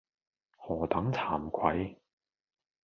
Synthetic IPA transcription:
hɔː˨˩t̪ɐ˨˥ŋt͡sʰaː˨˩mkʷʰɐ˨˥j

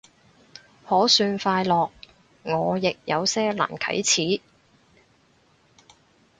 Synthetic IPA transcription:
hɔː˨˥syː˧nfaː˧jlɔː˨k̚ | ŋɔː˨˧jɪ˨k̚jɐ˨˧wsɛː˥la̰ː˨˩nkʰɐ̰˨˥jt͡sʰiː˨˥

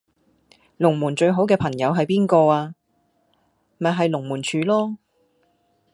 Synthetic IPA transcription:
lʊ˨˩ŋmuː˨˩nt͡ʃɵ˧ɥɦo˨˥wkɛː˧pʰɐ˨˩ŋjɐ˨˧wɦɐ˨jpiː˥nkɔː˧aː˧ | m˨ɐ˨ɦɐ˨jlʊ˨˩ŋmuː˨˩nt͡ʃʰyː˨˧lɔː˥

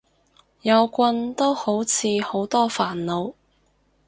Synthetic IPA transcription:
jɐ˨˧wkʷɐ˧nt̪o˥who˨˥wt͡sʰiː˨˧ho˨˥wt̪ɔː˥faː˨˩nlo˨˧w

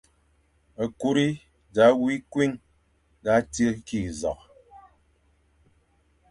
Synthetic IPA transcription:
ə˨ku˦ɾi˦ | da˨˦wi˦kwi˦ŋ | da˨˦tə˦ki˦˨zɔ̰˨k

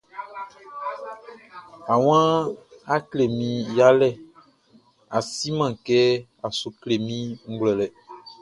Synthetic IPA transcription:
a˨w̃ã˦a˦kle˨mĩ˨ja˦lɛ˦˨ | a˨si˦mã˨kɛ˦a˨su˨kle˨mĩ˦ŋ̩˦ɡlɛ˨lɛ˨

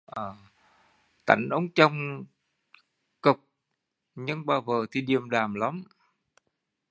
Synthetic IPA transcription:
ʔəː˨˩ | t̪a̰˧˩jŋ̟ʔə˨˦wŋ͡mt͡ɕə˧wŋ͡m | kɨ˨˩k͡p̚ | ɲɨ˧ŋɓaː˧˩wvəː˨˩t̪ʰi˨˩ɗi˨˩əmɗaː˨˩mla˨˦m

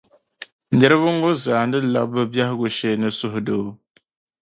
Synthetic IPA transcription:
nɛ˦ɾɨ˦βɨ˦ŋ˦ɡʊ˦zaː˨ndɨ˦la̰˦bɨ˦bja˦hɪ˦ɡʊ˦ʃɛ˦˨nɨ˦sʊ˦ɦʊ˨do˦

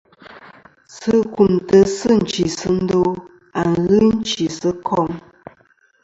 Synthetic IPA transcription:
sɨ˦ku˨mtə˨sɨ˦n̩˨t͡ʃi˨sə˦n̩˦do˦ | a˨ŋɣɨ˦n̩˦t͡ʃi˨sə˦kʰɔ˦˨ŋ

